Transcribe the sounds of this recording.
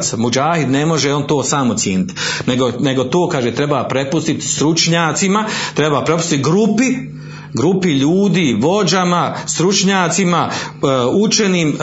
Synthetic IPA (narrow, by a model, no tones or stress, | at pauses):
samud͡ʒaːhid̪ne̞mo̞ʒeo̞nt̪o̞ːsaːmosjeːnit̪ne̞ɡone̞ɡo̞t̪o̞ːkaːʒeːt̪ɾe̞bapɾe̞pust̪it̪st̪ɾut͡ʃɲaːt̪simat̪ɾebaːpɾe̞pu̥st̪it̪ɡɾupi | ɡɾupiʎuːd̪iːʋo̞d͡ʒamast̪ɾut͡ʃɲaːt̪sima | ut͡ʃe̞niːm